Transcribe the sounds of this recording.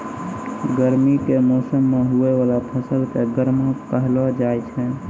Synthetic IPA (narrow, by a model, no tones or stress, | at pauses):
ɡəɾmikemɔːsəmːeɦueʋaːlapʰəsəlkeɡəɾmãpəɦlod͡ʒaːet͡ʃʰɛ